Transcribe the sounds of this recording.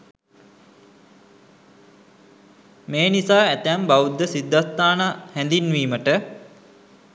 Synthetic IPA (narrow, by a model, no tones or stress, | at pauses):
meːnisaːæt̪æmbaʋud̪ːəsid̪ːast̪aːnahɛnd̪inʋiːməʈə